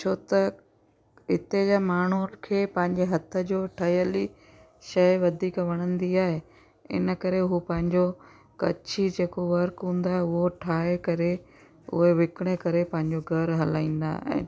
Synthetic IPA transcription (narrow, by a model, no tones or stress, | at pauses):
t͡ɕʰot̪ɐ | ɦɪt̪ed͡ʑamaːɳ̤ukʰeːpɐ̃ɦɪ̃ɲd͡ʑeɦɐt̪ʰə̆d͡ʑoːʈʰɐjəli | ʃɐjʋɐd̪ʱiːkʋɐɽ̃ə̃nd̪iaːɦe | ɪ̰nə̆kɐɾeɦupɐ̃ɦɪ̃ɲd͡ʑo | kɐ̰t͡ɕʰid͡ʑeːkoʋɐɾkɦũːn̆d̪aːɦeʊɦoʈʰaːekɐɾe | ʊ̰ɦeʋɪkɪɽ̃ekɐɾepɐ̃ɦɪ̃ɲd͡ʑoɡʱɐɾɦɐlaːĩːnd̪a̰ːɛ̰̃ː